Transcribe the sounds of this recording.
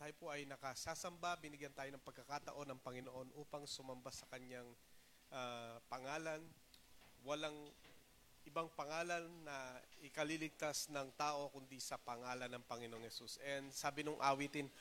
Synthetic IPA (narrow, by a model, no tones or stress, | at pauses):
t̪aːjopoʔɐjnɐkɐsaːsɐmbabɪnɪɡjɐnt̪aːjo̞nɐŋpɐɡ̚kːɐkat̪ɐʔo̞nɐŋpɐŋɪnoʔo̞nʔuːpɐŋsʊmɐmbasɐkɐɲaŋ | ʔapɐŋaːlɐn | wɐlaŋ | ʔɪbaŋpɐŋaːlɐnːɐʔɪkɐlilɪɡ̚t̪asnɐŋt̪aːʔo̞kʊnd̪isɐpɐŋaːlɐnɐŋpɐŋɪnooŋhɛsusʔɛnd̪saːbɪnʊŋʔaːwit̪ɪn